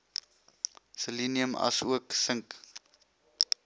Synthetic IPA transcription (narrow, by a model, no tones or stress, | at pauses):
səliniəmɐ̰suəksəŋk